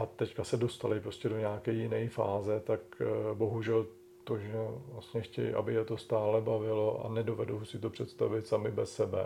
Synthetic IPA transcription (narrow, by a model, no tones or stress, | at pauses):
ʔat̪ɛckasɛdo̞st̪alɪpɾo̞scɛdo̞ɲaːkɛjjɪnɛjfa̰ːzɛt̪akbo̞ɦuʒɛl | t̪o̞ʒɛvlast̪ɲɛxcɛ̰jʔa̰bɪjɛt̪o̞st̪aːlɛbavɪlo̞ʔa̰nɛdo̞vɛdowsɪt̪o̞pr̝̥ɛt̪st̪a̰vɪt̪samɪbɛsːɛbɛ̰